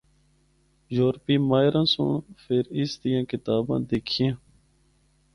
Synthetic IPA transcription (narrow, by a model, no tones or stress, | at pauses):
joːɾpiːmaːjɾãːsʊ̰ɳfʰeːɾɪsd̪ijãːkɪt̪aːbã̰ːd̪eːkʰjẽː